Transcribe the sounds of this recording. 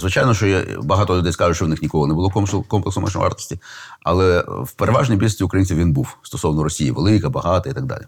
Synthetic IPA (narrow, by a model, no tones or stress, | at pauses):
zʋɪt͡ʃɑjnɔʃt͡ʃɔjɛ̰bɐɦɑt̪ɔlʲʊd̪ɛjskɑʒʊt͡ʃt͡ʃɔwnɪxnʲikɔɦɔnɛbʊlˠɔkɔmkɔmplˠeksɔmɛ̰ʃn̰ʋɑ̰rt̪ɪ̥sʲtʲiɐ̰lˠɛwpeɾʔeʋɑʒnʲijbilʲsʲiʊkɾɐjinʲsʲiʋwʋʲinbuwst̪ɔ̥sɔwnɔɾɔsʲijḭʋelˠɪkɐbɐɦɑt̪ɐit̪ɐɡ̚d̪ɑ̰lʲḭ